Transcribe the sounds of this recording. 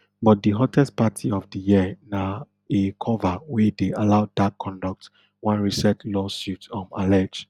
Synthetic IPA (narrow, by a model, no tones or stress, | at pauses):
bɔt̚dəɦɔtʰɛst̚patʰiɔvdəjiəna | ekʰɔvawɛdealaʊdakʰːɔ̃ndɔk̚t | wãnɹisɛtʰlɔsjutɔ̃ma̰lɛd͡ʒ